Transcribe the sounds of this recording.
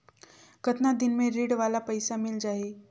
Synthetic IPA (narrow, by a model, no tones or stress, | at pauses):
kət̪nad̪inmẽɾiːɽʋalapəjsamild͡ʒaɦe